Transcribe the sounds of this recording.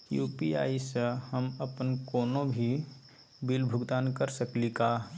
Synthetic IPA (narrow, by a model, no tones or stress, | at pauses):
jṵːpia̰ːishəməpənkoːnobʱi | bilbʱʊɡd̪aːnkəɾsəklikaː